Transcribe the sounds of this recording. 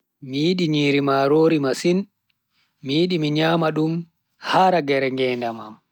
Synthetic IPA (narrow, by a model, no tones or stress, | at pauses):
mijiɗiɲiːɾimaɾoːɾimasin | mijiɗimiɲaːmaɗum | haɾaɡɛɾɛŋɡɛːndama̰m